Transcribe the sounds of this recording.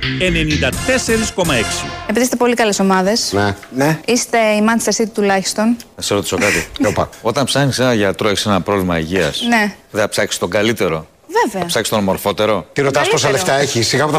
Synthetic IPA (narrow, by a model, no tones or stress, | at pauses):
ene̞nind̪ɐt̪e̞se̞ɾisko̞mɐe̞ksiepiðist̪e̞po̞likɐle̞so̞mɐðe̞sneneist̪e̞imɐniseɐsit̪it̪ulɐçi̥st̪o̞nðeseɾo̞t̪i̥so̞kɐt̪iopɐ̰o̞t̪ɐnpsɐxnisenɐʝɐt̪ɾo̞e̞çi̥senɐpɾo̞vlimɐiʝiɐ̰sne̞ | ðeɐpsɐksi̥st̪o̞ɡɐlit̪e̞ɾo̞ | veveɐpsɐkst̪omo̞ɾfo̞t̪e̞ɾo̞t̪iɾot̪ɐspos̬ɐleft̪ɐeçisːiɣɐot̪ɐ